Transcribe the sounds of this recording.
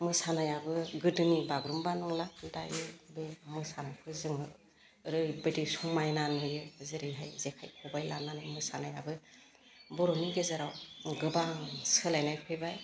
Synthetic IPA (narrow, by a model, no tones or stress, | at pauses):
mɯsanajabɯɡɯdɯnibaɡɾumbanɔŋladajɯbemɯsanajpʰɯzɯŋɯ | ɾɯjbɯdisumajnanɯjɯzɯɾiɦajzekʰajkʰɔbajlananɯmɯsanajabɯ | bɔɾɔniɡezaɾawɡɯbasɯlajnajhʰɯjbaj